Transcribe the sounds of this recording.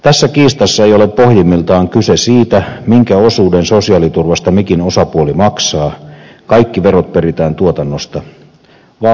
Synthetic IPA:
t̪æsːækiːst̪ɑsːɑejole̞pːo̞hjimːilt̪ɑːŋkysesiːt̪æmiŋkæo̞suːdenso̞siɑlit̪urʋɑst̪ɑmikino̞sɑpuolimɑksɑːkɑikːiʋeɾot̪̚peɾit̪æːnt̪uot̪ɑnːost̪ɑ | ʋɑ

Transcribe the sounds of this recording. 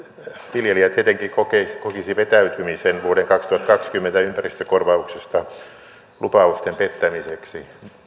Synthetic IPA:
ʋiljeliæt̪iet̪eŋkikokeskokisiʋet̪æyt̪ymisenʋuoɾeŋkɑkst̪uhɑt̪kɑkskymːent̪æympærist̪økorʋɑuksest̪ɑ | lupɑust̪empet̪ːæmiseksi

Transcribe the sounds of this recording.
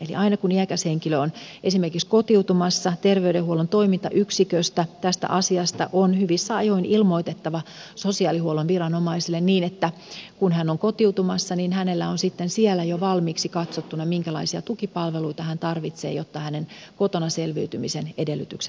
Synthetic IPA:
elḭʔɑinɑkuniækæsheŋkiløonʔesimerkikskot̪iut̪umɑsːɑt̪erʋeydehuolont̪oimint̪ɑʔyksikøst̪æt̪æst̪æ̰ʔɑsiɑst̪ɑ̰ʔonhyʋisːæɑjoinilmo̞it̪et̪ːɑʋɑsosiɑːlihuolonʋirɑnomɑisilːenniːnet̪ːækunhænːoŋkot̪iwt̪umɑsːɑninhænelːæonsit̪ːensiɛlæjoʋɑlmiːksikɑt̪sot̪ːunɑmiŋkælɑisiɑt̪ukipɑlʋeluit̪ɑhænt̪ɑrʋit̪sḛːjot̪ːɑhænenkot̪onɑselʋiyt̪ymisenedelːyt̪ykse

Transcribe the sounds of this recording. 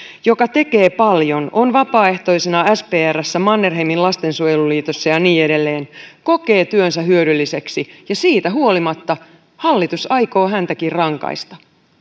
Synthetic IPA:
jo̞kɑt̪e̞ke̞ːpɑljo̞no̞nʋɑpɑːe̞ht̪o̞isenɑæspeːærːæsːæmɑnːerɦemillɑst̪e̞nsujeluliːt̪o̞sːɑjɑniːe̞de̞lːe̞ːnko̞ke̞ːt̪yønsæɦyøɾylːise̞ksijɑsiːt̪æɦuo̞limɑt̪ːɑ | hɑlːit̪usɑjko̞ːɦænt̪ækirrɑŋkɑ̰jst̪ɑ̥

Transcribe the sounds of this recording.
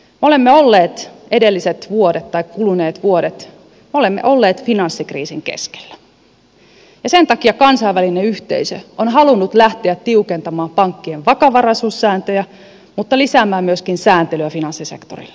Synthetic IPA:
meo̞lemːeolːeːt̪e̞delːiset̪ʋuodet̪t̪ːɑikkuluneːt̪ʋuoɾet̪ | meolemːḛʔo̞lːeːt̪finɑnsːikrḭːsiŋkḛske̥l̥ːæ̥ | jɑsent̪ɑkiɑkɑnsɑiʋælineyht̪ḛisø̰ʔonɦɑlunːut̪læht̪eæt̪t̪iukent̪ɑmɑːmpɑŋkːieʋʋɑkɑʋɑrɑsusːæːnt̪øjæ | mut̪ːɑlisæːmːæːmmyøskinsæːnt̪elyæfinɑnsːisḛkt̪orḭlː

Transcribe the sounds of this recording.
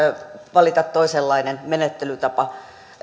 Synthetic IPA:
ʋɑlit̪ɑt̪t̪oiselːɑinenmenet̪ːelyt̪ɑpɑ

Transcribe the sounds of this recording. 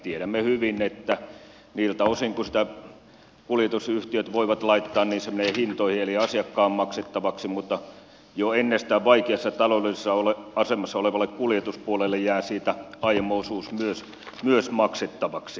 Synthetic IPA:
t̪ieɾæmːehyʋinet̪ːæ | niːlt̪æosiŋkusi̥t̪æ | kuljet̪usyht̪iøt̪ʋoiʋɑt̪lɑit̪ːɑːnniːnsemeneːhint̪oihieliɑsiɑkːɑːmmɑkset̪ːɑʋɑksimut̪ːɑ | joenːest̪æʋʋɑikeɑsːɑt̪ɑlodesːɑoleɑsemɑsːɑoleʋɑlːˑekkuljet̪uspuolelːejjæːsiːt̪æɑiemoosuːsmyøs | myøsmɑkset̪ːɑʋɑksi

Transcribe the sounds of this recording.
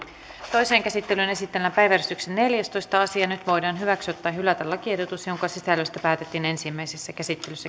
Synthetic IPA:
t̪o̞jse̞ːŋkæsit̪ːelyne̞sit̪ːelːæpæjʋærist̪yksenːe̞ljæst̪ojst̪ɑɑsiɑnyt̪ʋo̞jdɑːnɦyʋæksot̪ːæːɦylæt̪ælɑkiedot̪usjo̞ŋkɑsisælːøst̪æpæːt̪et̪ːiːne̞nsimːæjsesːækæsit̪ːelysːæ

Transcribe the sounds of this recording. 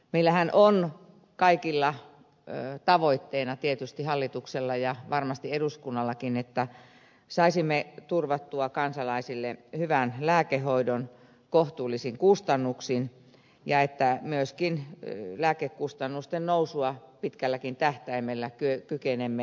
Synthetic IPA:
meilːˑæhænʔon | kɑikilːɑ | t̪ɑʋoit̪ːeinɑt̪iet̪yst̪ihɑlːit̪ukselːɑjɑʋɑrmɑst̪ieɾuskunːɑlːɑkinet̪ːæ | sɑisimːet̪urʋɑt̪ːuɑkɑnsɑlɑisilːehyʋænlæːkeoidon | koht̪uːlːˑisiŋkust̪ɑnːuksin | jɑet̪ːæmyøskinlæːkekkust̪ɑnːust̪ennousuɑpit̪kælːækint̪æht̪æimelːækyøkykenemːe

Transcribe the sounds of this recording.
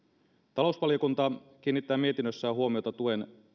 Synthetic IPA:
t̪ɑlo̞usʋɑlijokunt̪ɑk̟iːnːit̪ːæːmie̞t̪inːøsːæːɦuo̞mio̞t̪ɑt̪ue̞n

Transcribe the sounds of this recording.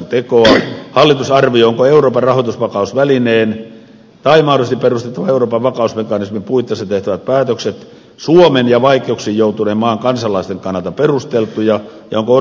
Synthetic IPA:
nt̪ekoɑhɑlːit̪usɑrʋiooŋkoeuroːpɑrɑhot̪usʋɑkɑusʋælineːn | t̪ɑimɑhdost̪iperust̪e̥t̪ːɑʋɑeuroːpɑʋʋɑkɑusmekɑnismimpuit̪ːˑɑsɑt̪eht̪æʋæt̪̚pæːt̪økset̪ | suomenjɑʋɑikˑeuksiːjjout̪uneːmmɑːŋkɑnsɑlɑist̪eŋkɑnːɑlt̪ɑperust̪elt̪ujɑjɑ̰oŋko

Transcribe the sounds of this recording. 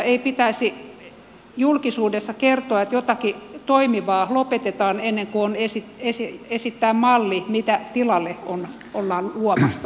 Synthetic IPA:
eipit̪æisi | julkisuːdesːɑkert̪oɑet̪jot̪ɑkit̪oimiʋɑːlopet̪et̪ɑːnenːeŋkuonesit̪esiesit̪ːæːmmɑlːimit̪æt̪ilɑlːeon | olːɑːluɔmɑsːɑ

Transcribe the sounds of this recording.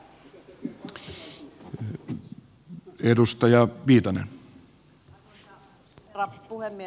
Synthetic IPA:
edust̪ɑjɑʋiːt̪ɑnḛn | ɑpuhemːi

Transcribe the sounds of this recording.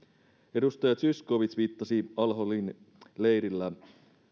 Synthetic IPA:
e̞dust̪ɑjɑt̪syskoʋit̪sʋiːt̪ːɑsiɑlɦolin | lejɾilːæ

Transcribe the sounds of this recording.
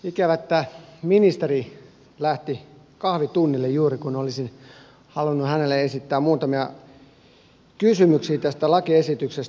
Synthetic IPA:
ikæʋæt̪ːæːminist̪eri | læht̪i | kɑhʋit̪unːilːejjuːrikunolisin | hɑlunːuhænelːˑeesit̪ːæːmuːt̪ɑmiɑ | kysymyksiːt̪æst̪ælɑkiesit̪ykses

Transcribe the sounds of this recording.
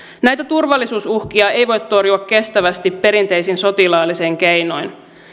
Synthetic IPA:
næjt̪æt̪urʋɑlːisuːsuhkiɑe̞jʋo̞jt̪ːto̞rjuɑkke̞st̪æʋæst̪ipːe̞ɾint̪e̞jsinso̞t̪ilɑːlːiseːŋk̟e̞jno̞jn

